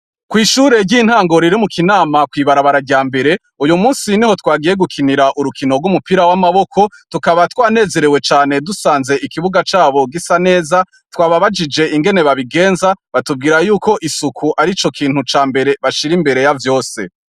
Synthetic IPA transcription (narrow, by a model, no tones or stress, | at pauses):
kwiːʃuɾe̞ɟin̥haːŋɡo̞ɾiɾimukʰinaːmakwiːβaɾaβaɾaɟaːmbe̞ɾe̞ | ujumuːnsiniho̞twaːɡije̞ɡukʰiniɾaʔuɾukʰino̞ɡumupiɾawamaβo̞kʰo̞tukaβatwaːne̞ːze̞ɾewe̞t͡ʃaːne̞dusaːnze̞ʔikiβuɡat͡ʃaːβo̞ɡisane̞ːza | twaːβaβad͡ʒid͡ʒe̞iŋɡe̞ne̞βaβiɡe̞ːnzaβatub̚ɡiːɾajuːko̞ʔisukʰuʔaɾit͡ʃo̞kʰiːn̥hut͡ʃaːmbe̞ɾe̞βaʃiɾimbe̞ɾe̞javjo̞ːse̞̰